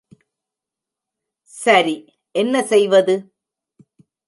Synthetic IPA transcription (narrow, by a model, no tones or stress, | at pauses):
sɐɾi | ʔɛnːɐsɛjʋɐðɯ